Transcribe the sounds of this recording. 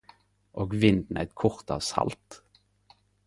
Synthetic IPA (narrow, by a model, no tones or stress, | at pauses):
ʔoːɡʋɪnd̪n̩ʔæ̰ɪt̪kʰʊʁt̪ɑ̰ːʋsɑ̰lt̪